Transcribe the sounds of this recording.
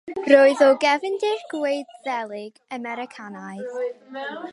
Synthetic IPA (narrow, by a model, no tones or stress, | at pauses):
roːɨðɔɡɛvɪndɪɡ̥wejdðɛlˠɪɡ̥əmɛɾɪkʰanajθ